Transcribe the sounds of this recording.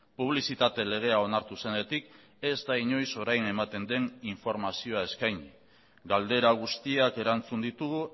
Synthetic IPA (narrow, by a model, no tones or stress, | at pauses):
puβ̞lisit̪at̪e̞le̞ɣ̞e̞ao̞naɾt̪use̞ne̞t̪ik | e̞zd̪aiɲo̞jso̞ɾajne̞mat̪e̞nd̪e̞niɱfo̞ɾmasio̞ae̞skajɲ | ɡald̪e̞ɾaɣ̞ust̪iake̞ɾant͡sund̪it̪uɣu